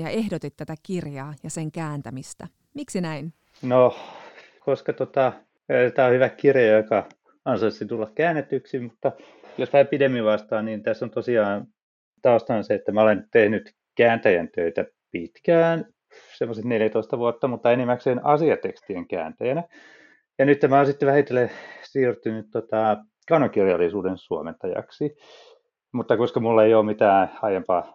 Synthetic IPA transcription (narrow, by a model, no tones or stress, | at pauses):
jɑ̰ehdot̪it̪t̪ːæt̪ækirjɑːjɑseŋkæːnt̪æmist̪æ | miksinæin | no | koskɑt̪ot̪ɑ | t̪æohyʋækkirjɑjokɑ | ɑnsoit̪sint̪ulːɑkkæːnːet̪ːyksimmut̪ːɑ | josmæːpidemːiʋʋɑst̪ɑːnnint̪æsːont̪osiɑːn | t̪ɑuost̪ɑnɑseet̪ːæmæolent̪ehnyt̪ | kæːnt̪æjænt̪øit̪æ | pit̪kæːn | semːoset̪neljæt̪oist̪ɑʋuot̪ːɑmut̪ːɑenimːækseːnɑsiɑt̪ekst̪ieŋkæ̰ːnt̪æjænæ | jɑnyt̪ːemæonsit̪ːeʋæhit̪ːelesiːrt̪ynyt̪t̪ot̪ɑ | kɑunɑkirjɑlːˑisuːdensuoment̪ɑjɑ̰ksi | mut̪ːɑkoskɑmulːɑeioːmmit̪æːɑjempɑː